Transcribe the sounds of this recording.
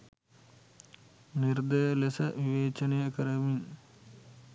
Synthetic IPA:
niɾd̪ɐjɐlesɐʋiʋeːt͡ʃɐnejɐkɐɾɐmin

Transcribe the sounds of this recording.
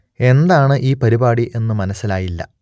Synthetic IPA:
e̞nd̪aːɳɨʔiːpɐɾibaːɽiʔe̞nːɨmɐnɐsːilaːjilːɐ̰

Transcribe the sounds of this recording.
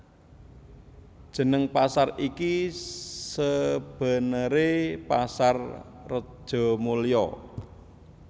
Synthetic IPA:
d̥ʒ̥ə̤nəŋpasariki | səb̥a̤nəɾepasarː | ə̥ʒ̥ɔ̤mulijɔ̰

